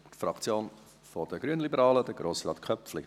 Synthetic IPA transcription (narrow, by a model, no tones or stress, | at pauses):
tfɾɑkt͡sjoːn | fod̥əɡɾyənlibəɾɑːləd̥əɡɾoːsrɑːtkʰœpflɪ